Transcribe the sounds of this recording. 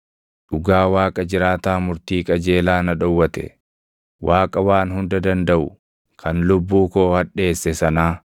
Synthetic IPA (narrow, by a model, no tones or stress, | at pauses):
ᶑʊɡaːwaːkʼɐd͡ʒɪɾaːt̪aːmʊɾt̪iːkʼɐd͡ʒe̞ːlaːnɐᶑɔwːɐt̪ɛ̰ | wʔaːkʼɐwaːnɦʊnd̪ɐd̪ɐnd̪ɐʔʊ | kʰɐnlʊbːuːko̞ːhɐᶑe̞ːsːɛsɐnaː